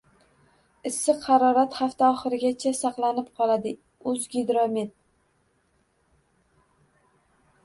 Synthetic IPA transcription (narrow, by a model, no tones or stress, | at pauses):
ɪsːɪqʰɑɾɒɾat̪χaft̪aɒχɨɾɪɡʲat͡ʃʰasaqlˠanɪp̚qʰɒlˠad̪ɪ | ʊzɡʲɪd̪ɾomet̪̚